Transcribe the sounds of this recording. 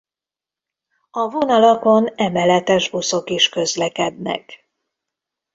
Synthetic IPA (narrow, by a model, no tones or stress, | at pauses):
ɒvo̞nɒlɒko̞nɛmɛlɛt̪ɛʒbuso̞kiʃkø̞zlɛkɛd̪nɛ̰k